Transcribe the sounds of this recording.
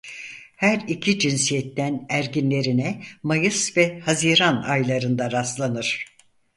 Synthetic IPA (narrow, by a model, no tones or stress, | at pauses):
hæɾicʰid͡ʒinsijɛt̪ːænæɾɟinlʲe̞ɾinɛmajɯsvɛhaziːɾanajlˠaɾɯnd̪aɾaslˠanɯɾ̥